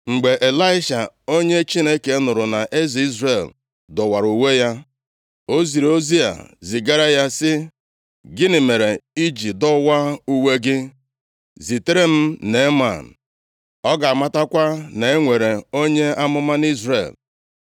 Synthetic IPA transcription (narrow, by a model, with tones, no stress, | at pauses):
ŋ͡m̩˨ɡ͡be˨ʔe˨la˦ɪ˦ʃa˨o˦ɲe˦t͡ʃi˦ne˦ke˨˦nʊ˨ɾʊ˨na˨ʔe˦zi˦zre˨l | dɔ˨wa˨ɾu˨we˦ja˦ | o˦zi˨ɾo˦zi˦a̰˨zi˨ɡa˦ɾa˦ja˦sɪ˦ | ɡɪ˦nɪ˨me˨ɾe˨i˦d͡ʒi˨dɔ˦wa˦u˦we˦ɡɪ˦ | zi˨te˦ɾe˦m̩˦ne˨˦ma̰˨n̩˨ | ɔ˦ɡa˨a˨ma˦ta˦kʷa˦ne˨e˦ŋʷe˨ɾe˨o˦ɲe˦a˦mʊ˦ma˦n˦i˦zɾḛ˨l